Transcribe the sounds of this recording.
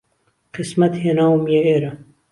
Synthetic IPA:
qɨsmɐt̪heːnaːwmijeeːɾɐ

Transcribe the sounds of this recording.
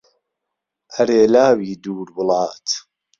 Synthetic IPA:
ʔɐɾeːlaːwiːd̪uːɾbɨlɑːt̪

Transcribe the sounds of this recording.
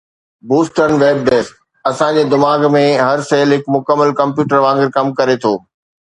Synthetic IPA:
buːsʈəɾnʋeːb̚ɖeːsʈ̚ | ɐsãd͡ʑeːd̪ɪmaːɡmẽɦɐɾseːlɦɪkmʊkəmːəlkɐ̃mpjuːʈəɾʋãːŋɡɪɾkɐmkɐɾet̪ʰoː

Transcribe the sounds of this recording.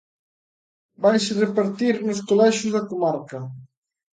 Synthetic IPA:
bajsrepaɾt̪iɾnʊskolɛʃʊzðɐkomaɾkɐ

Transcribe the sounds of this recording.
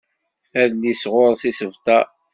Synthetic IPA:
æðnisʁʊɾˤsisəvt̪ɑ

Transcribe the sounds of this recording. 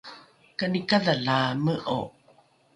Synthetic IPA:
kanikaðalaməʔo̰

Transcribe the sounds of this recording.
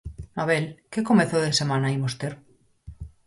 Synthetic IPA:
aβelkekomeθoðesemãnajmost̪eɾ

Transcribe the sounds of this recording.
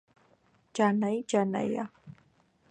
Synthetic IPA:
d͡ʒanajd͡ʒana̰ja̰

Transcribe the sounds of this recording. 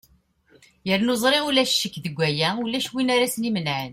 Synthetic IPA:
jəɾnozˤɾˤeʁʊlæʃʃːəkːðəɡʷːæjæulːæʃwinaɾæsnimənʕən

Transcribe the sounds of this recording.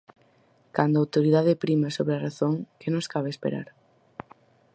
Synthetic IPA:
kand̪oawt̪oɾiðaðepɾimesoβɾeɐraθoŋkenõŋskaβeespḛɾa̰ɾ

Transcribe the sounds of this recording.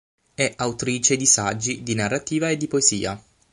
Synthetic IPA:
ɛʔawt̪ɾiːt͡ʃed̪isad͡ʒːid̪inarːat̪iːvaed̪ːipoeziːa

